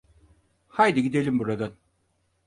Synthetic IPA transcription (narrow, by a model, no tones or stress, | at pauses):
hajd̪iɟid̪e̞lʲimbuɾad̪an